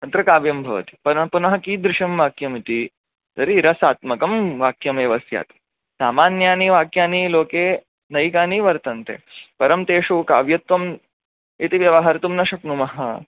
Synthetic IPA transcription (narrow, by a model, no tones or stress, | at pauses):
ɐt̪ɾɐkaːʋjɐmbʱɐʋɐ̰t̪i̥pɐnɐɦpunɐɦɐkiːd̪ɾɪʃɐmʋaːkjɐmit̪i | t̪ɐɾiɾɐsaːt̪mɐkɐmʋaːkjɐmeːʋɐsja̰ːt̪ | saːmaːnjaːniʋaːkjaːniloːkeː | nɐjkaːniʋɐɾt̪ɐnt̪ḛːpɐɾɐmt̪eːʂuʋka̰ːʋjɐt̪ʋɐm | it̪iʋjɐʋɐɦaːɾɐt̪umnɐʃɐknumɐɦɐ̰